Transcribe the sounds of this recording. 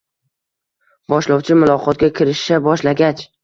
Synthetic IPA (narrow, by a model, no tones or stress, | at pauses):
bɒʃlɒwt͡ʃʰɪmʊlˠɒqʰɒt̪̚ɡʲakʲʰɪɾɪʃːabɒʃlaɡʲat͡ʃ